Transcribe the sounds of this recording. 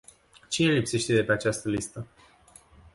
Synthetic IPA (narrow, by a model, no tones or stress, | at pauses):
t͡ʃine̞lipse̞ʃt̪e̞d̪e̞pe̞at͡ʃast̪əlist̪ə